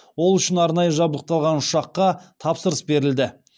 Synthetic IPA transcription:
wo̞lˠʏʃɪnɑɾnɑjəʒɑblˠəq̚t̪ɑlˠʁɑnʊʃɑqːɑt̪ʰɑpsəɾəsbe̞ɾɪld̪ɪ

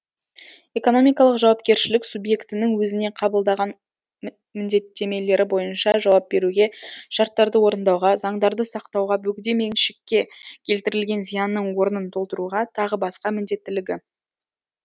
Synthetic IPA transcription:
e̞ko̞no̞mijkɑlˠəqʒɑwɑp̚kʲe̞ɾʃɪlɪksubje̞kt̪ɪnɪŋwɵzɪne̞qʰɑbəlˠd̪ɑʁɑn | mɪnd̪e̞t̪ːe̞me̞le̞ɾɪbo̞jənʃɑʒɑwɑp̚be̞ɾuɡʲe̞ʃɑɾt̪ːɑɾd̪əwo̞ɾənd̪ɑwʁɑzɑɴd̪ɑɾd̪əsɑqt̪ɑwʁɑbɵkʲd̪e̞meŋʃɪ̥kʲːe̞kʲʰe̞lt̪ɪɾɪlɡʲe̞nzijɑnːəɴwo̞ɾənənt̪ʰo̞lˠt̪əɾuʁɑt̪ʰɑʁəbɑsqɑmɪnd̪e̞t̪ːɪlɪɡʲɪ

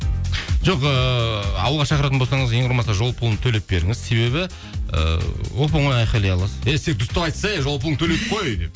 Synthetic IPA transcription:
ʒoqəɑ̰wəlˠʁɑʃɑqəɾɑt̪ənbosɑɴəzjeʊɾmɑsɑʒo̞lˠpʰulˠənt̪ʰɵle̞p̚be̞ɾɪ̰ŋɪzse̞βe̞βɪ | ə̰wop̬ɑɴoj̪ɑjqɑjlˠejɑlˠɑsə̥eseekt̪ʰʊst̪ɑwɑjt̪sɑjaʒolˠp̬lˠət̪ʰɵle̞t̪ɪp̚qʰojd̪ep

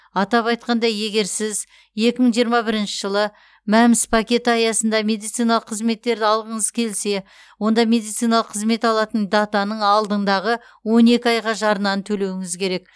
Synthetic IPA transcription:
ɑt̪ɑpɑjt̪̚qɑnd̪ɑje̞ɡʲe̞ɾsɪz | je̞kʲɪməɴʒijəɾmɑbɪɾɪnʃɪʒəlˠə | mæmɪspʰakʲe̞t̪ɑjɑsənd̪ɑme̞d̪ijt̪sijnɑlˠəqʰːəzme̞t̪ːe̞ɾd̪ɪɑlˠʁəɴəzkʲʰe̞lse̞ | wo̞nd̪ɑme̞d̪ijt̪sijnɑlˠəqʰːəzme̞t̪ɑlˠɑt̪ənd̪ɑt̪ɑnəɴɑlˠd̪əɴd̪ɑʁə | wo̞ne̞kʲɪɑjʁɑʒɑɾənɑnt̪ʰɵle̞wɪŋɪzkʲʰe̞ɾe̞k̚

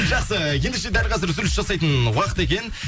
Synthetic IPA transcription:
ʒɑqsəje̞nd̪eʃe̞d̪ælqʰɑzəɾzʏɾɪsʒɑsɑjt̪ənwɑqə̥t̪e̞kʲe̞n

